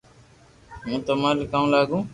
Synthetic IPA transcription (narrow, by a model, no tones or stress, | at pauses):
mũːt̪əmãːlɪkaːũːlaːɡũː